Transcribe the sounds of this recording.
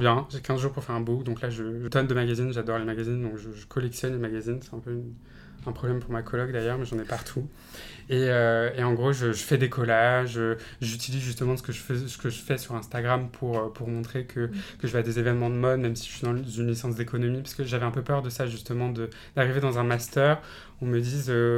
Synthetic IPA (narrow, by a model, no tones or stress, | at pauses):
bjɛ̃ʒɛkʲɛ̃zʒuʁpuʁfɛʁɛ̃bukd̪ɔ̃klaʒəʒət̪ɔnd̪əmaɡazinʒad̪ɔʁlemaɡazind̪ɔ̃kʒəʒəkʰɔlɛksjɔnlemaɡazinsɛt̪ɛ̃pøyn | ɛ̃pχɔblɛmpuʁmakʰɔlɔɡ̚d̪ajœʁmɛʒɑ̃nɛpaʁt̪ʰu | eøeɑ̃ɡʁoʒəʒəfɛd̪ekʰɔlaʒø | ʒyt̪ilizʒyst̪əmɑ̃sə̥kəʒəfəsə̥kəʒəfɛsyʁɛ̃st̪aɡʁampʰuʁøpuʁmɔ̃t̪χekʰəkəʒəvɛad̪ezevɛnmɑ̃d̪əmɔd̪mɛmsi̥ʒəʃɥid̪ɑ̃zynlisɑ̃s̬d̪ekʰɔnɔmipḁʁsəkəʒavɛɛ̃pøpœʁd̪əsaʒyst̪əmɑ̃d̪ə | d̪̥aʁived̪ɑ̃zɛ̃mast̪œːʁ | ɔ̃məd̪izø